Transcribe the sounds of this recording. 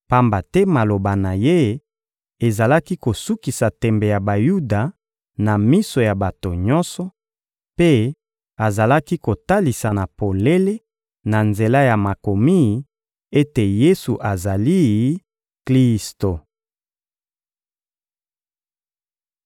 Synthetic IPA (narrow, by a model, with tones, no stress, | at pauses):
pa˦mba˨tɛ˦ma˨lo˨ba˨na˨je˦ | e˨za˨la˦ki˦ko˨su˦ki˨sa˨tɛ˨mbe˨ja˨ba˨ju˦da˨ | na˨mi˦so˨ja˨ba˨to˨ɲɔ˦nsɔ˨ | pe˦ | a˨za˨la˦ki˦ko˨ta˦li˨sa˨na˨po˨le˦le˦ | na˨nze˨la˦ja˨ma˨ko˨mi˦˨ | e˦te˨je˦su˨ʔa˨za˨li˦ | kli˦sto˨